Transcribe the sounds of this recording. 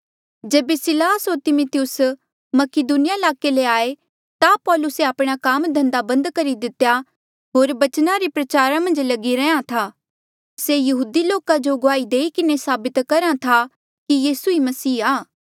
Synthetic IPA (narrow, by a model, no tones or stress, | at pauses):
d͡ʒeːbesɪlaːsɦoɾt̪ɪmʊt̪ɪjʊs | mɐkɪd̪uːnɪjaɪlaːkeleaːe | t̪apɔːlʊseaːpɽ̃akaːmd̪ʱɐ̃nd̪abɐ̃nd̪kɐɾid̪ɪt̪ja | ɦoːɾbɐt͡ʃnaɾipɾɐt͡ʃaːɾamɐ̃nd͡ʒlɐɡiɾɛãt̪ʰaː | sejɐɦuːd̪iloːkad͡ʒoɡʊaːid̪eːikɪnesaːbɪt̪kɐɾãt̪ʰa | kijiːsuimɐsiːaː